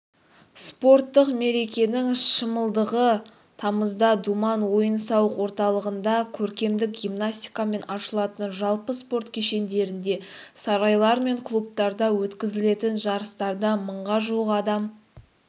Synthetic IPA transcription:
spo̞rt̪ːəqme̞ɾe̞kʲe̞nɪŋʃəməlˠd̪əʁə | t̪ʰɑməzd̪ɑd̪umɑnwo̞jənsɑwəqwo̞ɾt̪ɑlˠəʁənd̪ɑkʲʰɵɾkʲe̞md̪ɪk̚ɡʲimnasʲt̪ʲijkame̞nɑʃəlˠɑt̪ənʒɑlˠpəspo̞ɾt̪kʲʰeʃe̞nd̪e̞ɾɪnd̪e̞sɑɾɑjlˠɑɾme̞ŋkʰlˠup̚t̪ɑɾd̪ɑwɵt̪kʲɪzɪle̞t̪ɪnʒɑɾəst̪ɑɾd̪ɑməɴʁɑʒuəqɑd̪ɑm

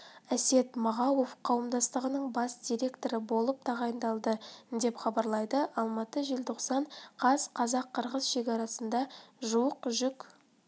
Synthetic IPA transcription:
æse̞t̪mɑʁɑwo̞fqʰɑwəmd̪ɑst̪əʁənəɴbɑsd̪ʲijɾʲe̞kt̪o̞ɾəbo̞lˠəp̚t̪ʰɑʁɑjənd̪ɑlˠd̪əd̪e̞pχɑbɑɾlˠɑjd̪əʔɑlˠmɑt̪əʒelt̪ʰo̞qsɑɴqʰɑzqʰɑzɑqʰːəɾʁəzʃe̞kʲɑɾɑsənd̪ɑʒuwəqʒʏk

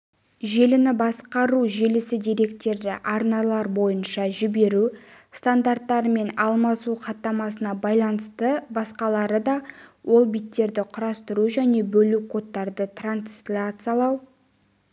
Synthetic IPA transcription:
ʒe̞lɪnɪbɑsqɑɾuʒe̞lɪsɪd̪e̞ɾe̞kt̪e̞ɾd̪ɪ̰ʔɑɾnɑlˠɑɾbo̞jənʃɑʒɪbe̞ɾust̪and̪art̪ːɑɾəme̞nɑlˠmɑsuqʰɑt̪ːɑmɑsənɑbɑjlˠɑnəst̪əbɑsqɑlˠɑɾəd̪ɑwʔo̞lˠbijt̪ːe̞ɾd̪ɪqʰʊɾɑst̪əɾuʒæne̞bɵlukʰo̞t̪ːɑɾd̪ət̪ranslʲat̪sɑlˠɑw

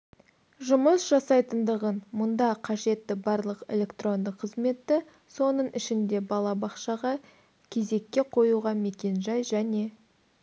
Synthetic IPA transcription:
ʒʊməsʒ̥ɑsɑjt̪ənd̪əʁənmʊnd̪ɑqʰɑʒe̞t̪ːɪbɑɾlˠəqḛlʲe̞kt̪ro̞nd̪əqʰːəzme̞t̪ːɪ | so̞nəɴʔɪʃɪnd̪e̞bɑlˠɑbɑqʃɑʁɑ | kʲʰe̞ze̞kʲːe̞qʰo̞juʁɑme̞kʲe̞nʒɑjʒæne̞

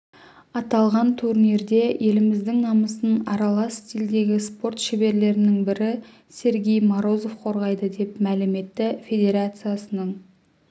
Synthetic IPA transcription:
ɑt̪ɑlˠʁɑnt̪ʰuɾniɾd̪e̞je̞lɪmɪzd̪ɪŋnɑməsənɑɾɑlˠɑsːt̪ʲild̪e̞ɡʲɪspo̞rt̪ʃɪbe̞ɾle̞ɾɪnɪŋbɪɾɪ | sʲe̞ɾɡʲe̞jmoɾo̞zo̞fqʰo̞ɾʁɑjd̪əd̪e̞pmælɪme̞t̪ːɪfʲe̞d̪ʲe̞ɾat̪sɨjasənəɴ

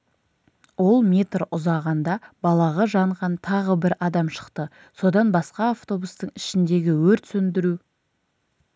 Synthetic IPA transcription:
wo̞lˠmʲe̞t̪rʊzɑʁɑnd̪ɑbɑlˠɑʁɑʒɑɴʁɑnt̪ʰɑʁəbɪɾɑd̪ɑmʃə̥qt̪ə | so̞d̪ɑnbɑsqɑːft̪o̞bust̪əɴɪʃɪnd̪e̞ɡʲɪwɵɾt̪sʏnd̪ɪɾu

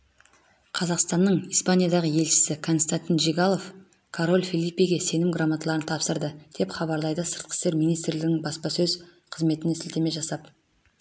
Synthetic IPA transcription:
qʰɑzɑqst̪ɑnːəɴijspanʲijad̪ɑʁəje̞lʃɪ̥sɪkʰo̞nst̪ant̪ʲinʒiɡalˠo̞f | kʰoɾo̞lʲˠfʲilˠijpːijɡʲese̞nɪmɡramat̪lˠɑɾənt̪ʰɑpsəɾd̪əd̪̥e̞pχɑbɑɾlˠɑjd̪əsəɾt̪qʰə̥st̪e̞ɾmijnijst̪ɾlɪɡ̪ɪŋbɑspɑsɵz | qʰəzme̞t̪ɪnɪsɪlt̪eme̞ʒɑsɑp̚

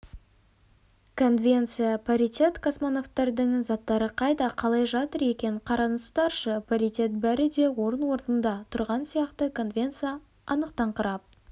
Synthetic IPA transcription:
kʰo̞nvʲe̞nt̪sɨjapʰoɾʲijt̪ʲe̞t̪kʰosmono̞ft̪ːɑɾd̪əɴzɑt̪ːɑɾəqʰɑjd̪ɑqʰɑlˠɑjʒɑt̪əɾe̞kʲe̞ɴqʰɑɾɑnəst̪ɑɾʃəpʰaɾit̪ʲe̞t̪̚bæɾɪd̪e̞wo̞ɾənwo̞ɾnənd̪ɑt̪ʰʊɾʁɑnsijɑqt̪əkʰo̞nvʲe̞nt̪sɨjɑ | ɑnəqt̪ɑɴqʰəɾɑp̚

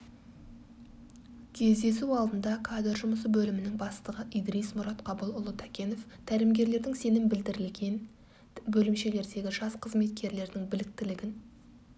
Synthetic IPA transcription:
kʲʰe̞zd̪e̞suɑlˠd̪ənd̪ɑkʰad̪ɪɾʒʊməs̬əbɵlɪmɪnɪŋbɑst̪əʁəʔijd̪ɾijsmʊɾɑt̪qʰɑbəlˠʊlˠət̪ʰækʲe̞no̞ft̪ʰæɾɪmɡʲe̞ɾle̞ɾd̪ɪŋse̞nɪmbɪld̪ɪɾɪlɡʲe̞n | bɵlɪmʃe̞le̞ɾd̪e̞ɡʲɪʒɑsqʰəzme̞t̪̚kʲe̞ɾle̞ɾd̪ɪŋbɪlɪk̚t̪ɪlɪɡʲɪn

